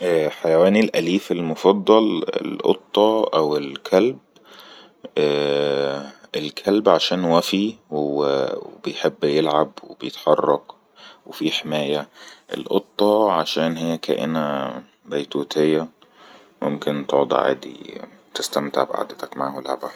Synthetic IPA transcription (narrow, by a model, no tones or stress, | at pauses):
ʔæħajæwæːnilʔæliːfelmofɑd̪ˤːɑlḛlʔo̰t̪ˤːɑʔæwelkʰælb | ʔæː | elkʰælbʕaʃæːnwæfiwwebejħebːjelʕabwebejet̪ħɑrˤːɑq | wefiːħemæːjæʔḛlʔot̪ˤːɑʕaʃæːnɦejːækæ̰ːʔḛnæ | bæjt̪uːt̪ʰejːæ | momkent̪oʕd̪ˤḭʕa̰ːd̪ḭ | t̪ɪst̪æmt̪ḛʕbḛʔa̰d̪ːæt̪ækma̰ʕhola̰ʕbæ̰